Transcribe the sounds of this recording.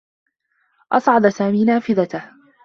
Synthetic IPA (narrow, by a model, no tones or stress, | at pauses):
ʔɑsˤʕɑd̪saːmiːnaːfɪðat̪ah